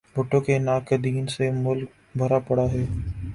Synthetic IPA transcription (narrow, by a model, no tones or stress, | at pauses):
bʱʊʈːõkenaːkəd̪iːnsemʊlk̚ | bʱɐɾapɐɽaɦɛː